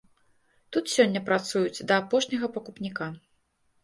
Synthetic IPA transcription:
t̪ut̪sʲɔnʲːɐpɾat̪sujut͡sʲd̪ɐːpɔʂnʲɐɣɐpɐkupnʲika

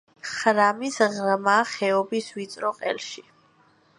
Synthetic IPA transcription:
χɾamisʁmaχɛɔbiswit̪sʼɾɔqʼɛ̰lʃi

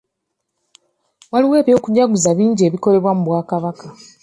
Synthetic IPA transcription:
waliwe̞ːβjo̞ːkuɟaɡuzaβiːɲɟie̞ːβiko̞le̞βwamuβwaːkaβaka

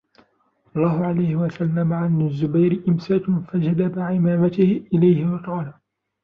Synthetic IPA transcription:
ʔɑlˤːɑːɦʊʕalajhɪwasalːamaʕanɪzːʊbajɾɪʔɪmsaːkfad͡ʒad̪abaʕɪmaːmat̪ɪhɪʔɪlajhɪwɑqɑːla

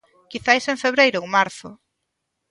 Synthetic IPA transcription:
kiθajsẽɱfeβ̞ɾejɾʊuŋmaɾθʊ

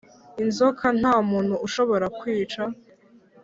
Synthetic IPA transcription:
inzokʰan̥haːmuːnhuuʃo̞βo̞ɾakwiːt͡ʃa

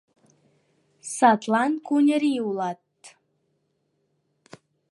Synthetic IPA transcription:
sɑt̪lˠɑnkunʲəɾiulˠɑt̪

